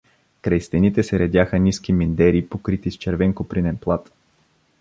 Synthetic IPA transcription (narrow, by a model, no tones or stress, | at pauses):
kɾɐjst̪ɛnit̪ɛsɛɾɛd̪ʲjaxəniskʲimind̪ɛɾipokɾit̪ist͡ʃɛɾvɛŋkopɾinɛnplˠat̪